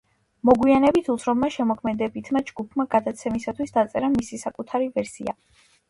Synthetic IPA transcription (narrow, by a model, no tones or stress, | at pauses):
mɔɡwianɛbit̪ʰut̪sʰɾɔbmaʃɛmɔkʰmɛd̪ɛbit̪ʰmad͡ʒɡupʰmaɡad̪at̪sʰɛmisat̪ʰwisd̪at̪sʼɛɾamisisakʼut̪ʰaɾivɛɾsḭa̰